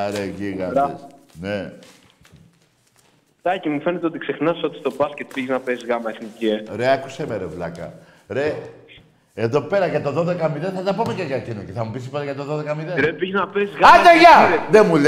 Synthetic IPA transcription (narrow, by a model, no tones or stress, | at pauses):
ɾeʝiɣɐɾɐesne | t̪ɐcimufe̞net̪eot̪i̥kse̞xnɐso̞t̪i̥st̪o̞bɐscet̪̚piʝiznɐpezɣɐmɐeθniceɾeɐkusemeɾevlɐkɐ̰ | ɾe | eðo̞pe̞ɾɐʝɐt̪o̞ðo̞ðe̞kɐmiðenθɐt̪ɐpomekɐʝɐɾcinoce̞θɐmupisi̥pot̪ɐʝɐt̪o̞ðo̞ðekɐmiðenɾepiʝiznɐpezɣɐd̪eʝɐðemul